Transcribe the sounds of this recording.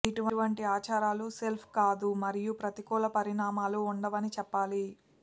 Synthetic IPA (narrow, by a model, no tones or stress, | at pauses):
iʈuʋɐʋɐɳʈiaːt͡ʃaːɾaːluselpʰkaːd̪umɐɾijupɾɐt̪ikɔːlɐpɐɾiɳaːmaːluːɳɖɐʋɐnit͡ʃɛpːaːli